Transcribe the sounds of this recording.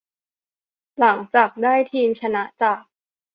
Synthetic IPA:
la˩˦ŋt͡ɕaː˨˩k̚daː˥˩jt̪ʰiː˧mt͡ɕʰa˧na˦˥ʔt͡ɕaː˨˩k̚

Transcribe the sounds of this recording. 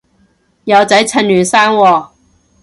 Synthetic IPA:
jɐ˨˧wt͡sɐ˨˥jt͡sʰɐ˨˧˥nlyː˨˩nsaː˥nwɔː˧

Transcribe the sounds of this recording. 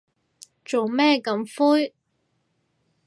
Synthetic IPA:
t͡so˨wmɛː˥kɐ˨˥mfuː˥j

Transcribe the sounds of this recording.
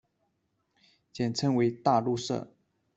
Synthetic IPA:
t͡ɕjɛ˨˩nʈ͡ʂʰɤ˥ŋwe˧˥ɪt̪a˥˧lu˥˧ʂɤ̰˥˩

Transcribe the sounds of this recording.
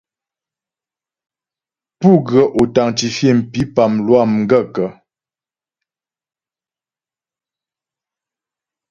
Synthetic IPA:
pu˦˨ɡɰə˨ʔo˨ta˨ŋt͡ʃi˨fje˦˨m̩˨pi˨˦pa˨mlwa˦˨mŋ̩˦ɡə˦˨kə˨

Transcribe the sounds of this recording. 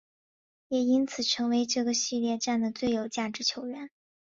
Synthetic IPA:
jɛ˨˩i˥nt͡sʰɹ̩˨˩ʈ͡ʂʰɤ˧˥ŋwe˧˥ɪʈ͡ʂɤ˥˩ɡə˩ɕi˥˧ljɛ˥˧ʈ͡ʂa˥˩nd̪ə˩t͡swe˥˩ɪjo˨˩ʊt͡ɕja˥˩ʈ͡ʂɻ̩˧˥t͡ɕʰjo˧˥ʊɥɛ˧˥n

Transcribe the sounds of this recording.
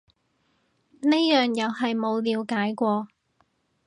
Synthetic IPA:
ne˥jœː˨ŋjɐ˨˧whɐ˨jmo˨˧wliː˨˧wkaː˨˥jkʷɔː˧

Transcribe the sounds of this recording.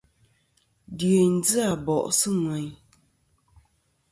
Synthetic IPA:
dje˨n̩˦d͡zɨ˦a˨bɔ˨ʔsɨ˦ŋwɛ˨ɲ

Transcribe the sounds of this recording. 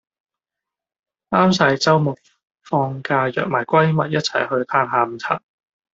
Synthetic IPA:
aː˥msɐ˧jt͡sɐ˥wmʊ˨˩k̚ | fɔː˧ŋkaː˧jœ̰ː˨˩k̚maː˨˩jkʷɐ˥jmɐ˨t̚jɐ˥t̚t͡sʰɐ̰˨˩jhɵ˧ɥt̪ʰaː˧nɦaː˨˧m̩˨˩t͡sʰa̰ː˨˩t̚

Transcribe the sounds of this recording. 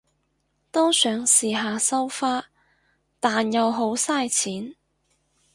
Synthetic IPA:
t̪ɔː˥sœː˨˥ŋsiː˨˩ɦaː˨sɐ˥wfaː˥ | t̪aː˨njɐ˨˧wɦo˨˥wsaː˥jt͡sʰiː˨˥n

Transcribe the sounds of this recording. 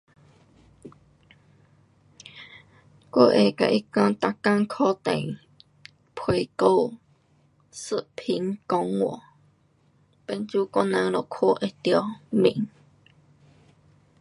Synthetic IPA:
ko˧˦ʔe˨ka̰˨ʔi˦˥ka˧˦t̪a˧ka˧˥ŋkʰɔ˦t̪e˨ŋ | pʰwe˧˨ko˥˧˨w | sɨ˦˥ʔpʰi˧˦ŋkɔ˧˦ŋwɔ̰˨ | pe˧˦nt͡ɕu˦kɔ˥nã˧˥ŋlɔ˨kʰo˥˦˨ʔe˨t̪jɔ˧mḭ̃˨ŋ

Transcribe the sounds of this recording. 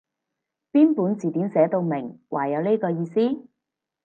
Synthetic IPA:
piː˥npuː˨˥nt͡siː˨˩t̪iː˨˥nsɛː˨˥t̪o˧wmɪ˨˩ŋwʔa̰ː˨˩jɐ˨˧wne˥kɔː˧jiː˧siː˥

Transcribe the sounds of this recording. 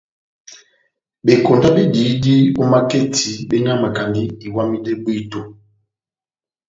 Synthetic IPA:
be˨ko˨nda˦be˦di˨˦di˦o˦ma˦ke˦tʰi˨˦be˦ɲa˦ma˨ka˨ni˦i˨wa˦mi˦dɛ˦bwi˦to˦

